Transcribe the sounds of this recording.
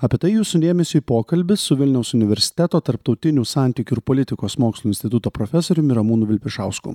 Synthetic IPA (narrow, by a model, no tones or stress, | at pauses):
ɐpʲeɛt̪ɐɪjuːsʊd̪ʲeːmʲɛsʲʊipoːkɐlʲbʲɪsʊʋʲɪlʲnʲɛʊsʊnʲɪʋʲɛɾʲsʲɪ̥t̪ʲæt̪oːt̪ɐɾpt̪ɒʊt̪ʲɪnʲuːsɑˑnʲt̪ʲiːkʲuɪɾpoːlʲɪt̪ʲɪkoːsmoːkslˠːɪnsʲt̪ʲɪt̪ʊt̪oːpɾofʲɛsoːɾʲʊmɪɾɐmuːnʊʋʲɪlʲpʲɪʃɑʊskṵ